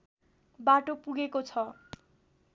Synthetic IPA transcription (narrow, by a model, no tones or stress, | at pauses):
baʈopuɡekot͡sʰʌ